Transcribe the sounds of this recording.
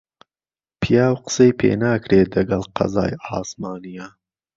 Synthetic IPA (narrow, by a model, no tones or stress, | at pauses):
pʰijaːwqə̥sejpʰḛːnaːkɾeːd̪ɐɡɐlqɐ̰zɑ̰ːjɑːsmɑːnija